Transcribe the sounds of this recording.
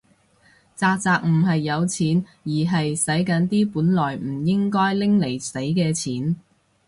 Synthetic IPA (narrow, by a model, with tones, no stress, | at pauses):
t͡saː˧k̚t͡saː˨˧k̚m̩˨˩ɦɐ˨jːɐ˨˧wt͡sʰiː˨˥n | jiː˨˩ɦɐ˨jsɐ˨˥jkɐ˨˥nt̪iː˥puː˨˥nlɔː˨˩jm̩˨˩jɪ˥ŋkɔː˥jlɪ˥ŋle˨˩jse˨˥jkɛː˧t͡sʰiː˨˥n